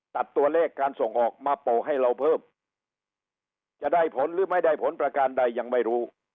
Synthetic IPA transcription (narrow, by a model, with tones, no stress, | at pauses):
t̪a˨˩t̪ːu˧ɐlɛː˥˩kːaː˧nso˨˩ŋʔɔː˨˩k̚maː˧poː˨˩ɦa˥˩jɾa˧wpʰɤː˥˩m | t͡ɕa˨˩ʔda˥˩jpʰo˨˦˥nɾɯː˦˥ma˥˩jda˥˩jpʰo˨˦˥npɾa˧kaː˧nda˧jːa˧ŋma˥˩jɾuː˦˥